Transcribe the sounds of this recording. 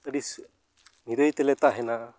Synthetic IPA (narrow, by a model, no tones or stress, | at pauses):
t̪aɖis | niɾəjt̪ɛlɛt̪aɦɛnaʔ